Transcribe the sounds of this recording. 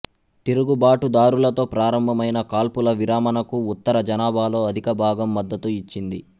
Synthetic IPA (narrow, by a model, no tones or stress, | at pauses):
t̪iɾuɡubaːʈud̪aːɾulɐt̪o̞ːpɾaːɾɐmbʱɐmɐjnɐkaːlpulɐʋiɾaːmɐnɐkuːt̪ːɐɾɐd͡ʒɐnaːbʱaːlo̞ːɐd̪ʱikɐbʱaːɡɐmːɐd̪ːɐt̪uit͡ʃːind̪i